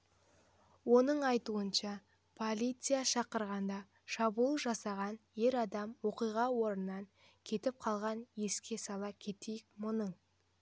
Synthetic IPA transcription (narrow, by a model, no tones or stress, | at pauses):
wo̞nəɴɑjt̪uənʃɑ | pʰolʲijt̪sɨjaʃɑqəɾʁɑnd̪ɑ | ʃɑbulˠʒɑsɑʁɑnje̞ɾɑd̪ɑmwo̞qijʁɑwo̞ɾənːɑŋ | kʲʰe̞t̪ɪp̚qʰɑlˠʁɑnje̞skʲe̞sɑlˠɑkʲʰe̞t̪ejɪk̚mʊnəɴ